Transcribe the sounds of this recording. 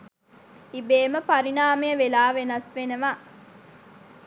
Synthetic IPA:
ibeːməpɐɾinaːmejəʋelaːʋenɐsʋenəʋa

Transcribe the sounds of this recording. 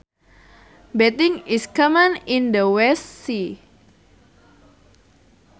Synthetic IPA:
bet̪ɪŋiskəmanindəwɛsi

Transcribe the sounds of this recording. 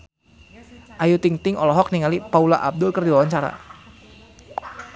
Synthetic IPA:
ʔajut̪iŋt̪ɪŋʔɔlɔɦɔk̚niŋalipaulaʔab̚dʊlkərdiwawaɲt͡ʃaɾa̰

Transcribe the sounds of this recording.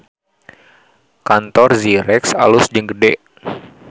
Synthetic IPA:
kant̪ɔrziɾɛksa̰lʊsd͡ʒəŋɡədɛʔ

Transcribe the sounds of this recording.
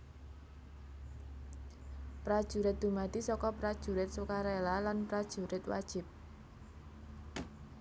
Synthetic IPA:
pɾad̥ʒ̥ṳɾɪt̪̚d̪̥umad̪̥isɔkɔpɾad̥ʒ̥ṳɾɪt̪̚sukaɾelalanpɾad̥ʒ̥ṳɾɪt̪wa̰d̥ʒ̥ɪp̚

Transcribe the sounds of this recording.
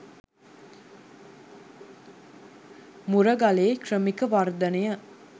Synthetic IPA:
muɾəɡaleːkrəmikəʋard̪ɐnejə

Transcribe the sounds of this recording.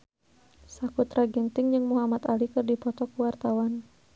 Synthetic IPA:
sakut̪ɾaɡɛnt̪ɪŋd͡ʒɨŋmuɦamat̪alikɨrdipɔt̪ɔkuwart̪awan

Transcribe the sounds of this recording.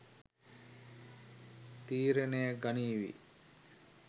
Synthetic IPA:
t̪iːɾənejəɡaniːʋḭ

